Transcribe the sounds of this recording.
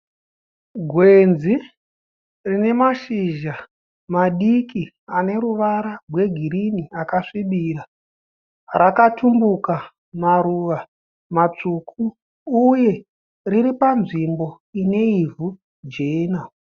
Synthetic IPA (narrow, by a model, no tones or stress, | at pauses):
ɡʱwe̞nd͡zzi | rine̞maʃiʒa | maɗiki | ane̞ɾuʋaɾawe̞ɡʱiɾiniakaʂiɓiɾa | rakatumbuka | maɾuʋa | mat͡ʂukʰuː | je̞ | riɾipanʐimbo̞ | ine̞ivu | d͡ʒeːna